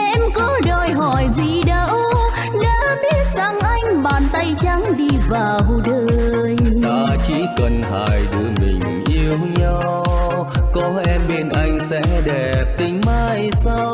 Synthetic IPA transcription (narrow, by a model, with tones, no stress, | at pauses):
ʔɛ˧mkɔ˨˦ɗɔ˧˩jɦɔ˧˩jzi˧˨˩ɗə˨˧˦w | na̰ː˧˦˥ɓi˦˥ət̚za˧˩ŋʔa˧jŋ̟ɓaː˨˩nt̪a˧jt͡ɕa˨˦ŋɗi˧vaː˨˩wɗəː˧˨˧jt̪aː˧t͡ɕi˧˥kə˧˩nɦaː˧˩jɗɨ˧əŋmḭ̈˨˩ŋ̟ʔi˧əwɲa˧www | kɔ˨˦ʔɛ˧mɓe˧nʔa˧jŋ̟sɛ̰˧˥ɗɛ˨˩p̚t̪ï˨˦ŋ̟maː˧jsa˧w